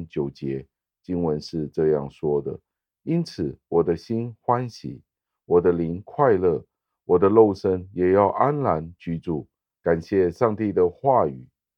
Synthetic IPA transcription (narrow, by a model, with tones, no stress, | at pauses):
t͡ɕjo˨˩ʊt͡ɕjɛ˧˦ | t͡ɕi˥nwə˧˦nʂɻ̩˥˧ʈ͡ʂɤ˥˧jɑ̰˥˩ŋʂwɔ˥d̪ə̰˨ | i˥nt͡sʰɹ̩˨˩wɔ˨˩d̪ə˦ɕi˥nxwa˥nɕḭ˨˦ | wɔ˨˩d̪ə˦li˧˥nkʰwa˥˧ɪlɤ˥˩ | wɔ˨˩d̪ə˦lo˥˩ʊʂə˥njɛ˨˩jɑ˥˩ʊʔa˦˥nla˧˥nt͡ɕy˥t͡su˥˩ | ka˨˩nɕjɛ˥˧ʂɑ˥˧ŋt̪i˥˩d̪ə˩xwa˥˩y̰˨˩˦